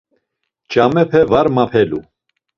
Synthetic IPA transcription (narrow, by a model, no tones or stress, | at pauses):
t͡ʃʼamɛpʰɛvaɾmapʰɛlu